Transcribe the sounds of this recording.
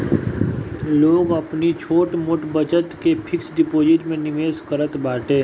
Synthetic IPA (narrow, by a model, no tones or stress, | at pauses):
loːɡɐpnit͡ʃʰoːʈmʊʈbət͡ʃət̪kepʰɪksɖɪpoːd͡ʒɪʈmẽnɪmeːzkəɾət̪baːʈẽː